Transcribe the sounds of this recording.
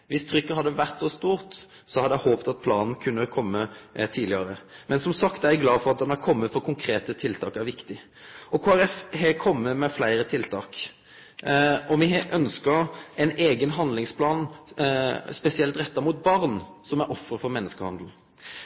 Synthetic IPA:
ʋɪst̪ʰɾʏkːəhɑd̪ːəʋæʁt̪sɔst̪uːɾt̪ | sɔhɑd̪əjæhoːpt̪ɑt̪̚pʰlɑːnn̩kʰʉnːəkʰɔmːət̪ʰiːd̪lɪəɾəmɛnsɔmsɑkt̪d̪æɡlɑːfɔʁɑt̪̚d̪ɛnæɾkʰɔmːəfɔɾkʰʊŋkʰɾeːt̪ət̪ʰɪlt̪ʰɑːkæɾʋɪkt̪ɪ | ɔkʰoːæɾɛfhɛkʰɔmːəmɛflæɪɾət̪ʰɪlt̪ʰɑːk | ɔmɪʔœnskəɾɛɪneːɡənɦɑnd̪lɪŋspʰlɑːn | spɛsɪɛlt̪ɾɛt̪ːəɾmuːt̪̚bɑʁnsɔmæɾʔɔfɾəfɔɾmɛnːəskəhɑnd̪l̩

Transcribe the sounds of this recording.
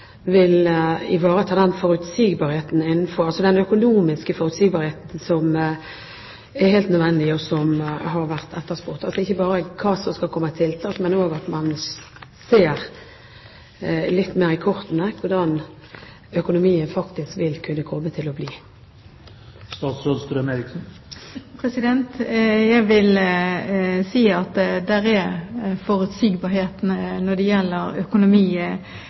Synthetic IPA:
ʋɪlɪʋɑːɾət̪ʰɑːd̪ɛnfɔɾʉt̪siːɡbɑːɾheːt̪n̩ɪnːn̩fɔɾɑlsɔd̪ɛnœkʊnuːmɪskəfɔɾʉt̪siːɡbɑːɾheːt̪n̩sɔm | ɛɾheːlt̪nœd̪ʋɛnːəd̪ɪɔsɔmɦɑɾʋæʁt̪ʰɛt̪ːəʁspʊʁt̪ɑlsɔɪçːəbɑːɾəkʰɑːsɔmskɑlkʰɔmːət̪ʰɪlt̪ʰɑːk̪mɛnoːɡɑt̪mɑnseːɾ | lɪt̪ːmeːʁɪkʰɔɾt̪nəkʰʊd̪ɑn | œkʊnʊmiːənfɑkt̪ɪskʋɪlkʰʉnːəkʰɔmːət̪ʰɪlɔbliː | st̪ɑːt̪sɾoːd̪st̪ɾmeɾɪksn̩ | pʰɾɛsɪd̪ɛnt̪jæɪʋɪl | siːɑt̪d̪æɾɛɾfɔɾʉt̪siːɡbɑːheːt̪nnɔd̪ɛjɛlːəɾœkʊnʊmiːə

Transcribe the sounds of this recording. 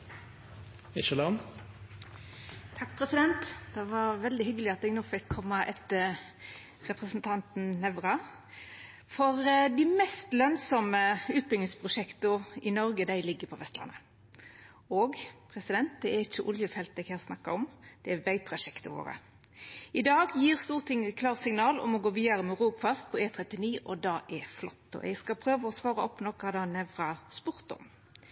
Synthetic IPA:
ɪʃəlɑm | t̪ʰɑk̚ːpʰɾɛsɪd̪ɛnt̪d̪̥ɛʋɑɾʋɛld̪ɪhʏɡːəlɪɑt̪̚d̪ɛɡnoːfɪkʰːɔmːɑʔɛt̪ə | ɾɛpʁəsnt̪ʰɑnt̪n̩nɛʋɾɑ | fɔɾd̪ɪmɛst̪lœnsɔməʉːt̪̚bʏŋɪspʰʁʊʂɛkt̪ʊɪnɔɾɡəd̪æɪlɪɡːəpʰɔʋɛst̪lɑ̰nːə | oːɡpʰɾɛsɪd̪ɛnt̪̚d̪ɛæɪçəʔʊljəfɛlt̪ɛɪɡhæːʁsnɑkːɑɔmd̪̥ɛæʋæɪp̪ʰʁɑʃɛkt̪əʋo̰ːʁə̰ | ɪd̪ɑːɡjiːʁst̪uːʁt̪ʰɪŋːəkʰlɑːʁsɪŋnɑːlɔ̰mɔɡoːʋiːd̪ɑɾəmɛʁuːɡfɑst̪̚pʰɔeːt̪ʰɾɛt̪ːɪniːʔɔd̪ɑːʔɛflɔt̪ːɔ̰ʔɛ̰ɪɡskɑpʰɾøːʋəɔsʋɑːɾəɔpːnɔkːɑd̪ɑːnɛʋʁɑspʊʁt̪ɔ̰m

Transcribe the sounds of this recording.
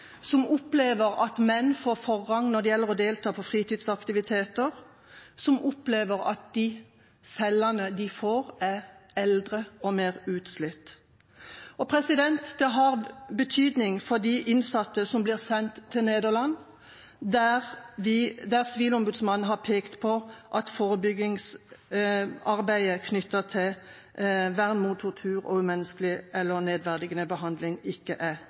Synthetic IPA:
sɔmɔpleːʋəʁɑt̪mɛnːfoːfɔʁːɑŋnɔd̪ɛjɛlːəʁɔd̪eːlt̪ʰɑːpʰɔfʁiːt̪iːd̪sɑkt̪ɪʋɪt̪ʰeːt̪əʁ | sɔmʔɔpleːʋəʁɑ̰t̪̚d̪̥ɪ | sɛlːɑnəd̪ɪfoːʁæɛld̪ʁəɔmeːʁʉːt̪slɪt̪ː | ɔpʰʁɛsɪd̪ɛnt̪d̪ɛɦɑʁbət̪ʰyːd̪nɪŋfɔʁd̪iʔɪnsɑt̪ːəsɔmblɪːʁsɛnt̪ʰːɪneːd̪əʁlɑn | d̪æʁʋɪd̪æʁsɪʋiːlɔmbʉd̪smɑnːn̩ɦɑʁpʰeːkt̪pʰɔʔɑt̪foːʁəbʏɡɪŋs | ɑʁbæɪəkʰnʏt̪ːəʁt̪ʰɪ | ʋæʁnmuːt̪ʰʊt̪ʰʉːʁɔ̰ʉmɛnːəskəlɪʔɛlːəneːd̪ʋæʁd̪ɪɡənəbəɦɑnd̪lɪŋɪkːəʔæ

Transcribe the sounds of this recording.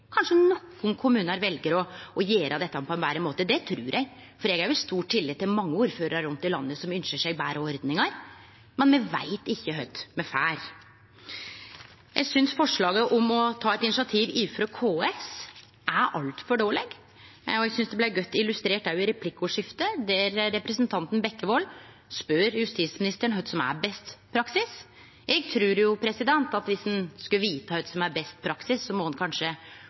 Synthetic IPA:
kʰɑnʂənɔkːʊnkʰʊmʉːnəɾʋɛlɡəɾɔɔjeːɾʔəd̪ɛt̪ːɑpʰɔɛnʋæːɾəmoːt̪əd̪ɛt̪ʰɾʉːɾʔɛɡ | fɔɾɛɡæɾjʊɪst̪uːʈʈʰːɪlːɪd̪t̪ːɪlmɑŋːəuːɾføːɾəɾɑɾʊnt̪ɪlɑ̰nːəsɔmʏnʃəʂæɪbæːɾəɔɾd̪nɪŋɑɾ | mɛnmɛʋæ̰ɪt̪ɪçːəɦœʏt̪mɛfæːɾ | jæ̰ɪsʏnsfɔʂɭɑːɡəʔɔmɔt̪ʰɑːɛt̪ɪnɪʂɑt̪ʰiːʋiːfɾɔkʰoːɛs | ʔæɾʔɑlt̪fɔɖoːlɛɡ | ɔɛɡsʏnsd̪ɛblæɪɡœt̪ːɪlʉst̪ɾeːʈ̚d̪æɾjʊɪɾɛpʰlɪkːʊʂɪft̪əd̪æɾːɛpɾɛsənt̪ʰɑnt̪n̩bɛkːəʋɔlː | spœɾjʉst̪iːsmɪnɪst̪əɳɦœd̪sɔmæ̰ɾbɛst̪pʰɾɑksɪs | jɛɡt̪ʰɾʉːɾjʊpʰɾɛsɪd̪ɛnt̪ɑt̪ʋɪsd̪ɛnskʉəʋiːt̪əhœd̪sɔmæɾbɛst̪̚pʰɾɑksɪsːɔmɔhɑnkʰɑnʂə

